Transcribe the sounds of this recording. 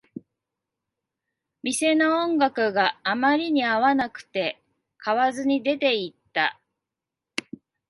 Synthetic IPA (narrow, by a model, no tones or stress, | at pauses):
mʲise̞noõŋɡakɯ̟ɡaːmaɾʲiɲ̟iaβanakɯ̟̥t̪e̞ | kʰaβazɨɲ̟id̪e̞t̪e̞it̪ːa